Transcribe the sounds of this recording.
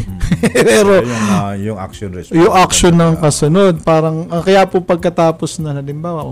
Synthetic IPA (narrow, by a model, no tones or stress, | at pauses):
pɛːɾojʊŋa̰konjʊŋʔɐkʃonːɐŋkɐsʊno̞d̪̚paːɾɐŋɐkɐjaːpopɐɡ̚kɐt̪aːposnɐnɐlɪmbaːwɐʔo